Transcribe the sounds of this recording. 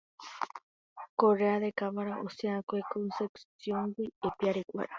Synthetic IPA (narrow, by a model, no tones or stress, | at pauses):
koɾeaðekaβaɾaʔosieakoekonseksjoŋɡiepiaɾekʷa̰ɾi